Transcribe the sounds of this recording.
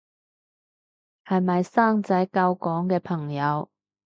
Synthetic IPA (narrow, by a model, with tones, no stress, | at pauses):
hɐ˨jmɐ˨jsaː˥ŋt͡sɐ˨˥jkɐ˧wkɔː˨˥ŋkɛː˧pʰɐ˨˩ŋjɐ˨˧w